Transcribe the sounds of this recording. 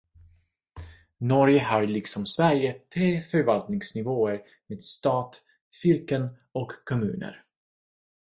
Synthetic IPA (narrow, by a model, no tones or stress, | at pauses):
nɔɾjəhaɾɭɪksɔmsvæɾjət̪ʰɾeːfœɾvalt̪nɪŋsnɪvoːəɾ | meːd̪st̪ɑːt̪ | fɪɾkən | ɔkʰːɔmʉ̟̰ːnə̰ɾ